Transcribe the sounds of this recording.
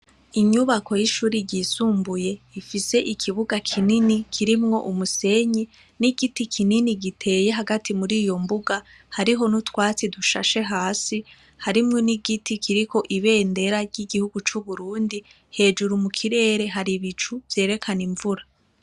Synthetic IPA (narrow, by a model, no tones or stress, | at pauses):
iɲuβako̞jiʃuːɾiɟisuːmbuje̞ifise̞ʔikʰiβuɡakʰininikʰiɾimŋo̞ʔumuse̞ɲi | niɡitikʰininiɡitʰe̞je̞ɦaɡatʰimuɾiːjo̞mbuɡa | haɾiɦo̞nutwaːt͡siduʃa̰ʃe̞ɦaːsi | haɾimŋoniɡitikʰiɾiko̞ʔiβe̞ːnde̞ɾaɾɟiɡihuɡut͡ʃuβuɾuːndi | he̞ːd͡ʒuɾumukʰiɾe̞ːɾe̞ɦaɾiβit͡ʃuvje̞ːɾe̞kʰaniɱvuɾa